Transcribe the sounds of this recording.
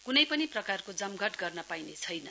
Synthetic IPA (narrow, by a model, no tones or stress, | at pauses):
kunʌjpʌniprʌkarkod͡zʌmɡʱʌʈɡʌrnʌpajnet͡sʰʌjnʌ